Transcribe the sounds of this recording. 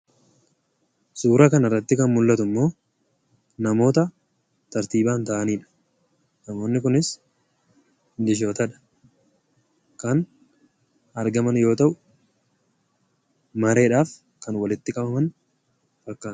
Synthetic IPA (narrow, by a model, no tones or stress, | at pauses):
suːɾɐkɐnɐrːɐt̪ːɪkɐnmʊlːɐt̪ʊmːo̞ː | nɐmo̞ːt̪ɐ | t̪ɐɾt̪iːbaːnt̪aʔɐniːᶑɐ̥ | nɐmo̞ːnːɪkʊnɪs | nd̪ɪʃ̬oːt̪ɐᶑɐ̥ | kɐn | ɐɾɡɐmɐnjo̞ːt̪ɐʔʊ | mɐɾe̞ːᶑaːf | kɐnwɐlɪt̪ːɪkʼɐbɐmɐn | fɐkːaː